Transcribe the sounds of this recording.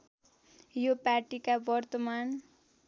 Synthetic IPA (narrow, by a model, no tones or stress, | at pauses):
jopaʈikabʌrt̪ʌman